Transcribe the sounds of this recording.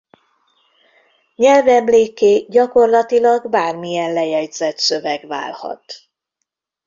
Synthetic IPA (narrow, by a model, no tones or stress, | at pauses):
ɲɛlvɛmleːkeːɟɒko̞rlɒt̪ilɒɡbaːrmijɛnlɛjɛɟzɛt̪sø̞vɛɡva̰ːlhɒ̰t̪